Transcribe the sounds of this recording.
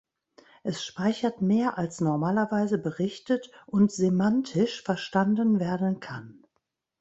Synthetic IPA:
ʔɛsʃpaɪçɐtmeːɐʔalsnɔɐmaːlɐvaɪzəbəʁɪçtətʔʊntz̥emantʰɪʃfɛɐʃtandənveːɐdn̩kʰan

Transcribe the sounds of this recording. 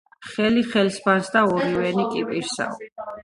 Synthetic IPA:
χɛliχɛlsbansd̪aɔɾiwɛnikʼipʼiɾsa̰ɔ̰

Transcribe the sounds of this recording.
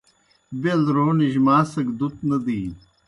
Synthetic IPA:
belɾoːniʑmaːsɐɡd̪ut̪nɐd̪iː

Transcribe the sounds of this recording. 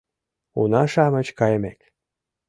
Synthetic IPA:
ṵnɑʃɑmə̆t͡ɕkɑjə̆mek

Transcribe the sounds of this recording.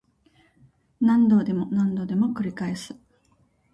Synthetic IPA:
nãnd̪o̞ːd̪e̞mo̞nãnd̪o̞d̪e̞mo̞kɯ̟ɾʲikae̞sɨ̥

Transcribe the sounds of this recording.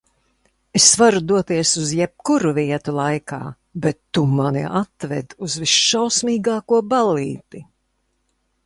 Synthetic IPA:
esvaɾud̪uɔt̪iɛsuzjɛp̚kuɾuviɛt̪ulˠajka̰ː | bɛt̪ːumanḭʔat̪vɛ̰d̪uzvisʃawsmiːɡaːkuɔbaliːt̪i

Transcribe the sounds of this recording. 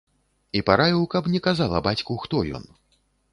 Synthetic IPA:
ipaɾavʲiwkɐpnʲɛkazalˠɐ̰bat͡sʲkuxt̪ɔjɔ̰n

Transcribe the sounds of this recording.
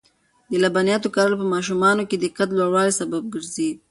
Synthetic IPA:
d̪əlabɑnjɑt̪okaɾəlpəmɑʃ̬umɑnoked̪ɪqat̪lwaɽwɑlisabab̚ɡəɾzi

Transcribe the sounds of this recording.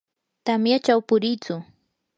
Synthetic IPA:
t̪amjat͡ʃawpʊɾɪjt͡sʊ

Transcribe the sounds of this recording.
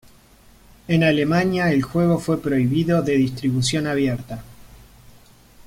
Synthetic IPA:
enale̞maɲjaelxwe̞ɣ̞o̞fwe̞pɾo̞iβiðo̞ðe̞ðist̪ɾiβusjo̞naβ̞jeɾt̪a

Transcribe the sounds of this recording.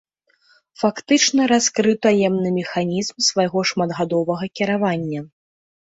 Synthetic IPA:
fakt̪ɨt͡ʂnɐɾaskɾɨwt̪ajɛmnɨmʲɛxanʲizmsvajɣɔʂmad̪ɣad̪ɔvɐɣɐkʲiɾavanʲːɐ

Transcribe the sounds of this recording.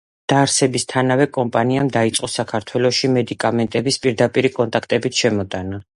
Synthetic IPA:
d̪̥aɾsɛbist̪ʰanavɛkʼɔmpʼaniamd̪ait̪sʼqʼɔsakʰaɾt̪ʰwɛlˠɔʃimɛd̪ikʼamɛnt̪ʼɛbispʼiɾd̪apʼiɾikʼɔnt̪ʼakʰt̪ʼɛbit̪ʃɛmɔt̪ʼana

